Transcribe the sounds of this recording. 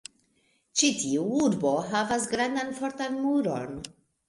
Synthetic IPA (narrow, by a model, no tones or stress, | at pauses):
t͡ʃitʰiuuɾbo̞ɦavas̬ɡɾandanfo̞ɾtanmuɾo̞̰n